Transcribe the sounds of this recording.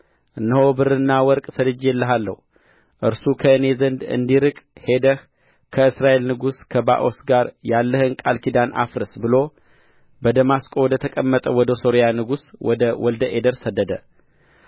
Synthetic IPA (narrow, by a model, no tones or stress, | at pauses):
ʔɨnːɨho̞bɨɾɨnːawɔɾkʼsəlɨd͡ʒjɛlːəɦalːə̰hu | ʔɨɾsukʰəɨne̞zənd̪ɨ̰nd̪iɾɨkʼhe̞d̪əh | kʰəɨsɾaʔe̞lnɨɡuskʰəba̰ʔo̞sɡaɾjalːəhɨnkʼalkid̪anʔa̰fɾɨsbɨlo | bəd̪əmaskʼowɔd̪ət̪ʰəkʼəmːət̪ʼəwɔd̪əso̞ɾijanɨɡuswɔ̰d̪əwɔld̪əʔed̪əɾsəd̪ːəd̪ə̰